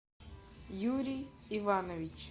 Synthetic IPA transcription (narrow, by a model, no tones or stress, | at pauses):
juɾʲijɪvanəvʲɪt͡ɕ